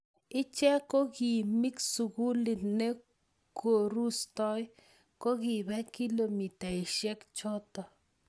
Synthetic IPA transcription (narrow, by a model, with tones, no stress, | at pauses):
ɪ˦t͡ʃɛ˦ko˦ki˨mi˦ksu˨ku˦lɪ˨tne˦ | ko˨ɾu˦stɔ˦j | ko˦ki˨bɛ˦ki˦lo˨mi˨ta˨i˨ʃɛ˦kt͡ʃɔ˦tɔ˨